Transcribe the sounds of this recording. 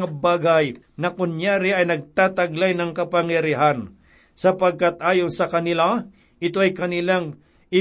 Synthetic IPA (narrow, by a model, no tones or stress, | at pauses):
ŋabaːɡɐj | nɐkʊnjaːɾɪʔɐjnɐɡ̚t̪aːt̪ɐɡlajnɐŋkɐpɐŋjɐɾɪɦan | sɐpɐɡ̚kat̪̚ʔaːjo̞nsɐkɐnɪla | ʔɪt̪oʔɐjkɐnɪlaŋ | ɪ